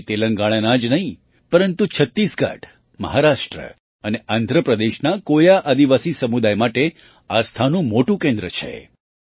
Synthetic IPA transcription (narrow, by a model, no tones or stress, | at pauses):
t̪eləŋɡaɽ̃ənãd͡ʒnəɦĩ | pəɾənt̪ut͡ʃʰət̪ːisɡa̰ʈ | mə̰ɦaɾaʂʈɾə̰ | əneʔand̪ʱɾəpɾəd̪eʃnakojaʔad̪iʋasisəmud̪ajmaʈe | ast̪ʰanũmoʈũkẽnd̪ɾət͡ʃʰḛ